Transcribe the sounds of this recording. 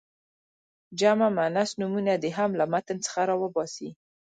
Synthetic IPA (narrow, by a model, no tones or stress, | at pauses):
d͡ʒamamanasnumunad̪eɦamlamat̪ənt͡sə̥xaɾɑwəbɑsi